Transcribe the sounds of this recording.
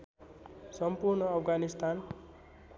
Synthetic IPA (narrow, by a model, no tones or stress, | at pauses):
sʌmpurnʌːpʰɡanist̪an